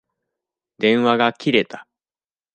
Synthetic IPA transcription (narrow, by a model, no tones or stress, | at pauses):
d̪ẽ̞ɰ̃βaɡakʲiɾe̞t̪ḁ